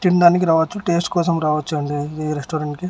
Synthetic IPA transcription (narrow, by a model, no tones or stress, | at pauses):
ʈ̪ind̪aːnik̬iɾaːʋɐt͡ʃːuʈe̞ːsʈkɔːsɐmɾaːʋɐt͡ʃːuɐɳɖid̪iɾesʈoːɾeɳʈki